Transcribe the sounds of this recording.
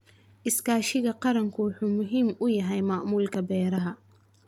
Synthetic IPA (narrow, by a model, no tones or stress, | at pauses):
ʔɪskʰaːʃɪɣɐqɑɾɐŋkʰʊwʊħuːmʊɦiːmʊjɐɦɛjmɑʔmuːlkʰɐbɛːɾɐɦɐ